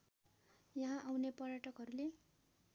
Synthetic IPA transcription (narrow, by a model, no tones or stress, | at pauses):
jʌɦãʔawnepʌrjaʈʌkɦʌɾule